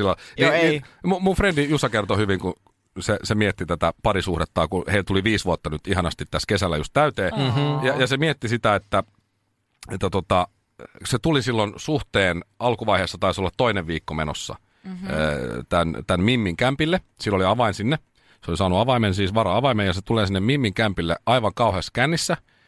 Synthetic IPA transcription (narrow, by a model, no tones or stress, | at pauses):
silːɑniːniːmumufrendijusɑkert̪ohyʋiŋku | sesemiet̪ːit̪æt̪æpɑrisuhɾet̪ːɑːkuheilt̪uliʋiːsʋuot̪ːɑnyt̪ihɑnɑst̪it̪ːæskesælːæjust̪t̪æyt̪eːjɑjɑsemiet̪ːisit̪æet̪ːæ | et̪ːæt̪ot̪ɑ | set̪ulisilːonsuht̪eːnɑlkuʋɑiheːsːɑt̪ɑisolːɑt̪toineʋʋiːkːomeno̰sːɑ̰ | t̪ænt̪ænmimːiŋkæmpilːesilːoliɑʋɑinsinːe | seolisɑːnuɑʋɑimensiːsʋɑrɑɑʋɑimejjɑset̪uleːsinːemmimːiŋkæmpilːeɑiʋɑŋkɑuheːskænːisːæ